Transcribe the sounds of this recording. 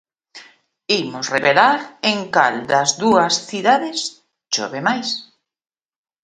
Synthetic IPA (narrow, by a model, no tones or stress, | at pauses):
imʊsreβelaɾeŋka̰ld̪ɐzðuɐsθiðaðɪs | ʃo̰βemajs